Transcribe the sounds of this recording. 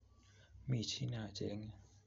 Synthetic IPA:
miː˧˩˨t͡ɕʰi˦˥˨naː˧˩˨t͡ɕḛ˧˦ŋ˨

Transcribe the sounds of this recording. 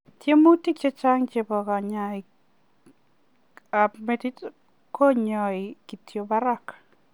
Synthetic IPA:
tje˦mo˦ti˦k̚t͡ʃe˦t͡ʃa˦ŋt͡ʃe˨bɔ˨ɡa˨ɲa˨i˨ | a˨me˨ti˦t | ko˦ɲɔ˨i˨ki˨tʰjo˨ba˦ɾa˦k

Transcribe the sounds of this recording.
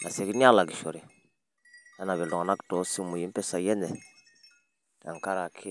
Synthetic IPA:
nʔa˨se˨ɡi˦ni˦a˦la˨ɡi˨ʃɔ˨ɾe˨ | a˦na˨βɛ˨lɔ˨ŋa˨na˦ktɔ˨˦si˦mu˨ji˨˦m̩˦pɛ˦sa˨jɛ˦nɛ˨ | a̰˨ŋka˦ɾa˨kʰe˦

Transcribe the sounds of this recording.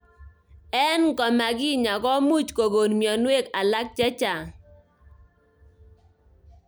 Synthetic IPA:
ɛ˦nɡɔ˨ma˨ɡi˦ɲa˨ɡɔ˦mu˦˨t͡ʃko˨ɡo˨nmjɔ˨nwe˦˨ka˨la˦k̚t͡ʃɛ˦t͡ʃa˨

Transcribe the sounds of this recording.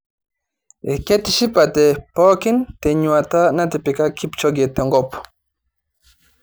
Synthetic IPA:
ɛ̰˨ke˦t̪iʃi˦pat̪ɛ˨po˦ki˦nt̪ɛ˨ɲua˨t̪a˦na˦t̪ɛ˨pi˨ka˦kʰi˦pt͡ʃo˦ɡɛ˨t̪e˨ŋɡɔpu̥

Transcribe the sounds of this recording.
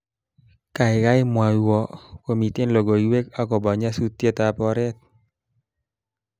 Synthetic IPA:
ka˨ɪ˨ka˦jmwa˨jwɔ˨ko˨mi˨t̪e˦nlɔ˨ɡo˨iwe˦ka˦kɔ˨ba˨ɲa˦su˦t̪ːje˦t̪a˨pɔ˦ɾɛ˦t̪̚

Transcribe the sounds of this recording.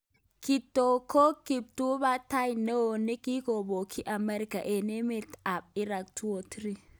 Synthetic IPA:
kɪ˨t̪ːo˨ko˦kɪ˨b̚t̪u˦ba˦t̪a˦jnɛ˦wo˨nɛ˦ki˦ko˨bo˨kʰi˦ʔɐ˨mɛ˦ɾɪ˦kɐ̰˨ʔe˨ne˦me˦t̪a˨p̚ɪ˦ɾa˨kt̪u˦wo˨t̪ɪ˦ɾi˦

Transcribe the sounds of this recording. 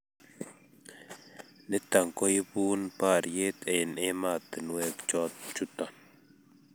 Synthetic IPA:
nɪ˦ta˨ŋko˦ji˦buː˦npa˦˨ɾje˦t̪e˨ne˦ma˦˨t̪ə˨n˦we˦kt͡ʃɔ˦t̪̚t͡ʃu˦tɔ˨n

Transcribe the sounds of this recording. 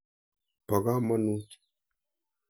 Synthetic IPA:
pɔ˨ɡa˦mɔ˦nu˦

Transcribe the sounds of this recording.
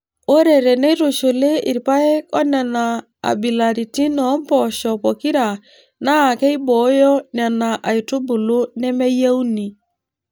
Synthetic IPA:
o˦ɾe˨ɾɛ˨ne˦ɾo˨ʃo˨le˦i˨ɾpa˦ɛ˦kɔ˦na˨na˨ | a̰˨bi˨la˨ɾi˨ti˦nɔ˨˦mpɔ˨ʃɔ˨pɔ˨ki˦ɾa˨ | na˦˨kɛ˦i˦bɔ˨˦jɔ˦na˨na˨ʔa˨i˨to˦bu˨lo˦nɛ˦mɛ˦je˦u˦ni˨

